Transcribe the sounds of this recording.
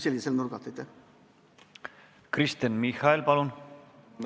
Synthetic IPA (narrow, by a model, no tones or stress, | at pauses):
selʲɡʲiselnuɾɡɑt̪ːet̪ːe | krist̪enmihɑelpɑlun